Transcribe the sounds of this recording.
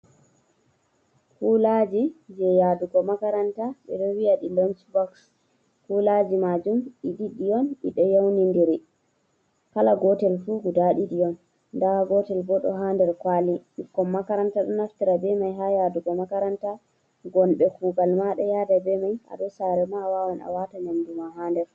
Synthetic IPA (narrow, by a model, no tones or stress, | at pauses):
kulad͡ʒid͡ʒɛjaduɡɔmakaɾantaɓɛ̰ɗɔwijaɗilont͡ʃbɔks | kulad͡ʒimad͡ʒumiɗiɗijɔnḭɗɔjawnindiɾi | kalaɡɔtɛlfuɡudaɗidijɔn | daɡɔtɛlbɔɗɔ̰ɦandɛɾkwaliɗikːɔmːakaɾantaɗɔnaftiɾabɛmajɦajaduɡɔmakaɾanta | ɡɔnɓɛkuɡalmaɗɛjadabɛmaja̰ɗɔsaɾɛmawawana̰watanandumaɦandɛɾ